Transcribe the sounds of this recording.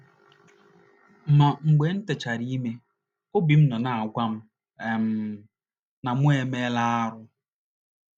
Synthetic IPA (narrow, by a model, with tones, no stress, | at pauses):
m̩˨ma˨ŋ͡m̩˨ɡ͡be˨˦n̩˦te˨t͡ʃa˨ɾi˦i˦me˦ | o˦bi˨m̩˦nɔ˨na˨a˨ɡʷa˦m̩˦˨˦ | na˨mʷ˦e˨me˦la˦a˦ɾʊ˦